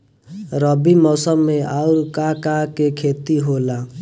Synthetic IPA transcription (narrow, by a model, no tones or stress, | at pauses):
ɾʌbimʌsʌmːeauɾkakakekʰet̪iɦola